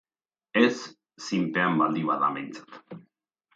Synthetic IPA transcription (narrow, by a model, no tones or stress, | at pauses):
esː | impeambald̪iβaða̰mejnt͡sḁt̪